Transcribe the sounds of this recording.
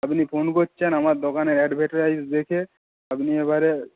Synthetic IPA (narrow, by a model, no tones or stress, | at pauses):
apnipʰonkotːʃʰenamaɾd̪okaneɾɛɖbʱɛʈoɾajsd̪ekʰe | apniebʱaɾe